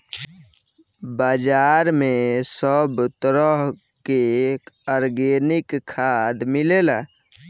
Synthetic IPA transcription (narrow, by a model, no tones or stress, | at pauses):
bad͡ʒaːɾmesəbt̪əɾəɦ | keəɾɡenɪkkʰːad̪mɪlelaː